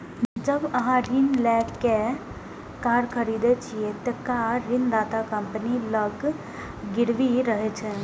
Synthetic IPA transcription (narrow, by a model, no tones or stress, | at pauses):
d͡ʒəbɐɦãɾinlɛːkːe | kaːɾkʰəɾiːd̪et͡ʃʰiet̪ɛkaɾɪnd̪aːt̪akəmpəniləɡ | ɡɪɽʋiɾəɦet͡ʃʰe